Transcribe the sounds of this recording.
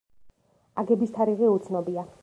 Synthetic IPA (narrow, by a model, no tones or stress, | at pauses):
aɡɛbist̪ʰaɾiʁɛut̪sʰnɔbia